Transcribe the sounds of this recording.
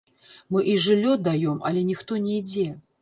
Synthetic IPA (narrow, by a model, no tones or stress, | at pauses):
mɨʔiʐɨlʲːɔd̪ajɔmɐ̰lʲɛnʲixt̪ɔnʲɛid͡zʲɛ